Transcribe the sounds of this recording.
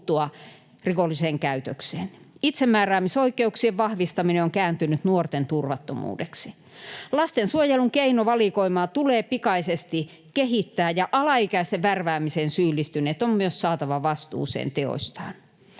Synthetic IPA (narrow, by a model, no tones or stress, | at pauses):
t̪uɑ | rikolːiseːŋkæyt̪økseːn | it̪semːæːræːmisoikːˑeuksieʋʋɑhʋist̪ɑmineoŋkæːnt̪ynyt̪nuort̪ent̪urʋɑt̪ːomṵːdeksi | lɑst̪ensuojeluŋkeinoʋɑlikoimɑːt̪uleːpikɑisest̪i | keɦit̪ːæːjɑʔɑlɑikæist̪eʋʋærʋæːmiseːnsyːlːˑist̪yneːt̪ommyøssɑːt̪ɑʋɑʋɑst̪ṵːsḛːnt̪eo̰sʲt̪ɑːn